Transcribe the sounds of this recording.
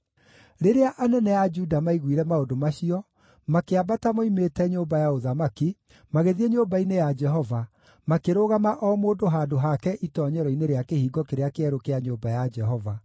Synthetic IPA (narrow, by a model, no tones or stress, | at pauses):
ɾeɾeaʔanɛnɛjad͡ʒudamaiɣwiɾɛmaodomaɕiɔ | makeabatamoimetɛɲoːmbajaoðamaki | maɣeðieɲoːmbainejad͡ʒɛɦɔva | makeɾoɣamaʔɔmoːdoɦaːdoɦakɛʔitɔːɲɛɾɔineɾeakehiːɡɔkeɾeakeɛɾokeaɲoːmbajad͡ʒɛɦɔva